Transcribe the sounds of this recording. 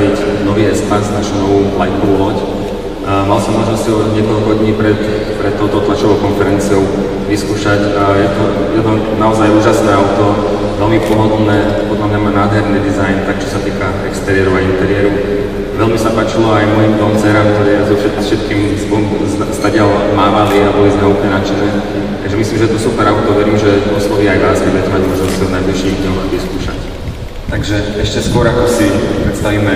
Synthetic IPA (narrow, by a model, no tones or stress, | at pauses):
icnɔʋiːɛspaznaʃunɔʋuːlajkɔʋulɔc | malsɔmːɔʒnɔsɔɲɪɛkɔlkɔɦɔd̪ɲiːpɾɛt̪ | pɾɛt̪ːɔʊɔʊt̪lat͡ʃɔʋɔʊkɔnfɛɾɛnt͡siɔʊ | ʋiskuːʃac | jɛt̪ɔ | jɛt̪ɔ | naɔzajuːʒasnɛːaʊt̪ɔ | ʋɛlmipɔɦɔd̪lnɛːpɔd̪lamɲamanaːd̪ɦɛɾniːd̪izajnt̪ak̚t͡ʃɔ̥sat̪iːka | ɛkst̪ɛɾɪɛɾuaint̪ɛɾɪɛɾu | ʋɛlmisapaːt͡ʃilɔajmɔjimt̪ɔmt͡sɛːɾamkt̪ɔɾɛjazɔfʃɛfʃɛt̪̚kiːmstɔ | st̪aɟalmaːʋaliabɔlizɛupɲɛnat͡ʃɛnɛː | t̪aɡʒɛmisliːmʒɛt̪ɔsupɛɾaʊt̪ɔʋɛɾiːmʒɛɔslɔɦiajʋaːskɛbuɛɛt̪ɛmaɟuɔazɔsɔwnajbliʃiːɣd̪ɲɔwaʋiskuːʃa̰c | t̪aɡʒɛɛʃcɛskʊɔɾakɔsipɾɛt̪st̪aʋiːmɛ